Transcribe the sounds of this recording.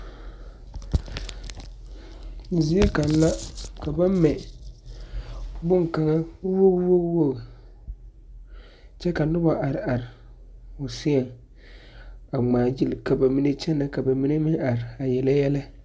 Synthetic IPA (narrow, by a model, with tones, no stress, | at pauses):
zi˦e˦ka˨n˦la˦ka˨ba˦m˦mɛ˨ | bʊ˦ŋ˨ka˨ŋa˦wo˦ɣwo˦ɡwo˦ɣ | t͡ʃɛ˦ka˨nʊ˦ba˨ʔa˨ɾɪ˨a˨ɾɪ˨ | ʊ˨sɪ˦ɛ˨ŋ | a˨ŋ͡maː˨d͡ʒi˦lka˨ba˨mi˦ne˦t͡ʃɛ˦na˨ka˨ba˨mi˦ne˦mɪ˦ŋa˨ɾɪ˨a˨jɛ˨la˦jɛ˦la˦